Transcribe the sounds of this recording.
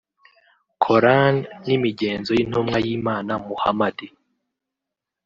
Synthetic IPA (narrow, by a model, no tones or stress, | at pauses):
kʰoɾanːimiɟeːnzojin̥umŋajiːmaːnamuha̰madi